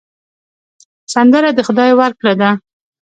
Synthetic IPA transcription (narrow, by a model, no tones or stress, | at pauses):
sand̪əɾad̪əxʊd̪ɑjwaɾkɽad̪a